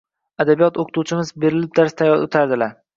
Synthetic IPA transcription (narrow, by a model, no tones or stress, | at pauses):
ad̪abijɒt̪ʰoqʰɨ̥t̪ʰut͡ʃʰɪmɪzbe̞ɾɪlɪp̚d̪aɾst̪ʰajɒɾo̰t̪ʰaɾd̪ɪlaɾ